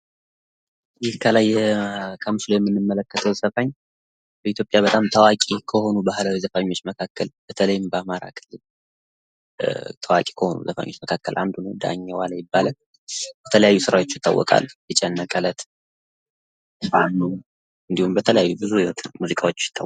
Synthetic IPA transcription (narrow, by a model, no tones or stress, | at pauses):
d̪ihkʰəlajːɛkʰəmɨsləwjɛmːɨnːɨmːələkːət̪ʰəwsəfaɲː | b̥əit̪jopʼjabət̪ʼamt̪ʰəwakʼikʰəho̞nubahlawijzəfaɲːwo̞t͡ʃːməkʰakʰːəlb̥ət̪ʰələjɪmbəamaɾa̰kʰɨlːɨl | t̪ʰəwa̰kʼi̥kʰəho̞̰nṵzəfa̰ɲːo̞t͡ʃːməkʰakːə̰lʔa̰nd̪unəwd̪a̰ɲːawalajɪbːalə | b̥ət̪ʰələjajːusɨɾawo̞t͡ʃːjɪt̪ːa̰wːɔ̰kʼa̰lːjɪt͡ʃʼːɛnːəkʼələt̪ | anːu | ɨnd̪ihumbət̪ʰələjajːubɨzujɪhot̪nmuzikʼawo̞t͡ʃːjɪt̪ʰːa